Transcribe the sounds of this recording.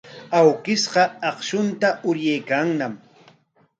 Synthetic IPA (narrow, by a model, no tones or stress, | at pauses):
awkɪsɢɑɑqʃʊnt̪aʔʊɾjajkaŋnam